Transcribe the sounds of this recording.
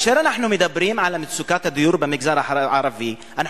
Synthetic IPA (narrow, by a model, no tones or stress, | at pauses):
ʃeːɾˤanaħnumɪd̪abːɪɾiːmʕalamɪsʊkaːt̪ad̪ʊjuːɾbamɪɡzɑːɾˤɑħʕɑɾˤɑfi | ʔana